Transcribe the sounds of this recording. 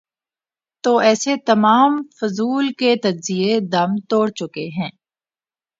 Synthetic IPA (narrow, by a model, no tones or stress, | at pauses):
t̪oːʔɛːset̪ɐmaːmfʊzuːlket̪ɐd͡ʒzied̪ɐmt̪oːɽt͡ʃʊkeɦɛ̃ː